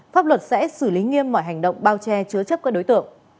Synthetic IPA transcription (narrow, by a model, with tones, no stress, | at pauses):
faː˦˥p̚lwə˨˩t̚sɛ̰˧˥sɨ˧˩li˨˦ŋi˧əmːɔ̰˧˨jɦa˨˩jŋ̟ɗə̰˧˨wŋ͡mɓaː˧wt͡ɕɛ˧t͡ɕɨ˨˦ət͡ɕə˦˥p̚kːaː˦˥ɗo˨˦jt̪ɨ̰˧˨əŋ